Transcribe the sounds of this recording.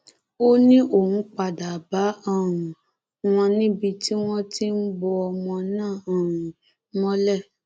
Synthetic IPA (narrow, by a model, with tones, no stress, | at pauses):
o˦nĩ˦ʔo˦˨hũ˨˦k͡pa˨da˨ba˨˦a˦˨ɾ̃ũ˨ | w̃ɔ̃˧nĩ˦bi˧ti˦w̃ɔ̃˦ti˦n̩˦bɔ˧ɔ˧mɔ̃˧nãː˦˨ɔ̃˨ɾũ˨˦ | mɔ̃˦lɛ˦˨